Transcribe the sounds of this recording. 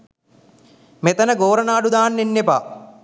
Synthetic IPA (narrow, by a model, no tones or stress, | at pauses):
met̪ɐnəɡoːɾɐnaːɖud̪aːnːenːepa̰ː